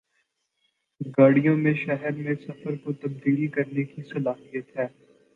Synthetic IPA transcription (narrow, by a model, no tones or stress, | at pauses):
ɡaːɽijõmẽʃɛɦɛɾmẽsɐfəɾkot̪ɐb̚d̪iːlkɐɾnekisɐlaːɦijət̪ɦɛː